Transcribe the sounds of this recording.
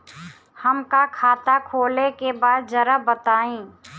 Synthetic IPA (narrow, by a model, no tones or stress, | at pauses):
hɐmkakʰaːt̪akʰoːlekebaːd̪̚d͡ʒɐɾəbət̪aːĩː